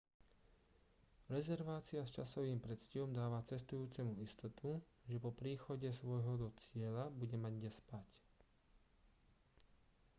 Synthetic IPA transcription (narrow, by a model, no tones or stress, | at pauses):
ɾɛzɛɾʋaːt͡siast͡ʃasɔʋiːmpɾɛt̪scɛʋɔmd̪aːʋat͡sɛst̪ujuːt͡sɛmuist̪ɔt̪ʰu | ʒɛpɔpɾiːxɔɟɛsʋɔjɦɔd̪ɔt͡sɪɛlabuɟɛmaɟɲɛspac